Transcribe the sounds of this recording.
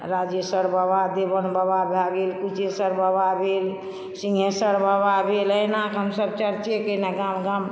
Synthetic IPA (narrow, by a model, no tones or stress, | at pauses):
ɾad͡ʒjəsəɾbabad̪ebənbəbabʱaɡelkut͡ʃʰesəɾbəbabʱel | sĩŋɡʱesəɾbababʱeləjnakɦəmsəbt͡ʃəɾt͡ʃekəneɡamɡam